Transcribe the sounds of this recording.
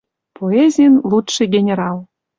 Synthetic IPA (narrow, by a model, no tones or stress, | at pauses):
poezʲijnlˠut̪ʃɨɡʲenʲeɾɑlˠ